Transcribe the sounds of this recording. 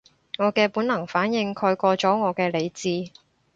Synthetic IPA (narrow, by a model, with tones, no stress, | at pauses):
ŋɔː˨˧kɛː˧puː˨˥nɐ˨˩ŋfaː˨˥njɪ˨˧ŋkʰɔː˧jkɔː˧t͡sɔː˨˥ŋɔː˨˧kɛː˧le˨˧jt͡siː˧